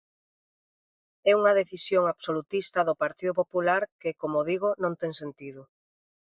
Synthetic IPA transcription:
ɛuŋɐðeθisjoŋaβsolut̪ist̪ɐðʊpaɾt̪iðʊpopulaɾkɪkomoðiɣʊnõŋt̪ɛŋsent̪iðʊ

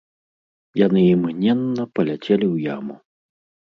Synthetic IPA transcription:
janɨimɣnʲɛnːɐpɐlʲat͡sʲɛlʲiwja̰mu

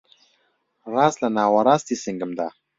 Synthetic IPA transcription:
ɾaːslanaːwaɾaːst̪isiŋɡəmd̪a

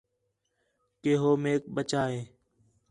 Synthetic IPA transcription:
keːɦoːmeːk̚bət͡ʃaːɦẽː

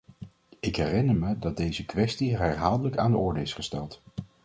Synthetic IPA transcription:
ɪkɦɛrɪnəɹmədɑt̚dejzəkʋɛstiɦɛɹɦaːlˠdələkaːndəʔɔɹdəɪsχəstɛlˠt

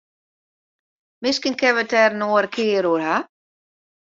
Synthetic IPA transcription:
mɪskənkʰɛʋətɛrnoəɾəkʰɪːɾuərha

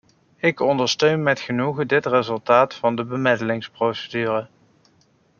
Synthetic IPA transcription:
ɪkɔndəɹstøɥnmɛtχənuɣədɪtrezɵlˠtaːtfɑndəbəmɪdəlɪŋsprowsədyːrə

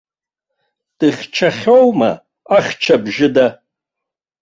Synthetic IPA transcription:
tʼɨχʲt͡ʃʰaχʲowma̰ | aχʲt͡ʃʰabʒɪda

